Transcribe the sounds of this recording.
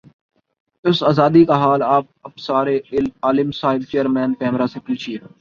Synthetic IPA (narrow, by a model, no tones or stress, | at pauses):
ɪsaːzaːd̪iːkaɦaːlaːp̚əpsaːɾeːɪlaːlɪmsaːɦɪbt͡ʃeːəɾmɛ̃ːnkɛːmɾaːsɪplt͡ʃʰiː